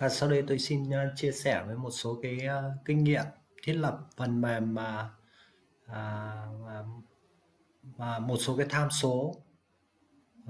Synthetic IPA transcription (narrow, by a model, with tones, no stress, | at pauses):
vaː˨˩saː˧wɗə˧jt̪o˧jsi˧nː˧t͡ɕi˧əsɛ˧˩vəː˨˦jmo˨˩t̚so˨˦kaː˨˦jkï˧ŋ̟ŋḭ˧˨əm | t̪ʰi˦˥t̚lə˨˩p̚və˨˩nmɛ˨˩mmaː˨˩˨ | maː˨˩mo˨˩t̚so˨˦kaː˨˦jt̪ʰaː˧mso˨˦